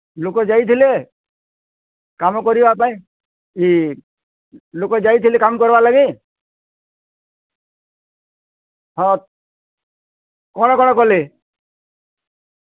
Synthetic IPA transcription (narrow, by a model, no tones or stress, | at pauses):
lokɔd͡ʒait̪ʰile | kamɔkɔɾibɔapãĩ | i | lokɔd͡ʒait̪ʰilekamkɔɾbalaɡi | ɦɔ̃ | kɔñɔkɔñɔkɔle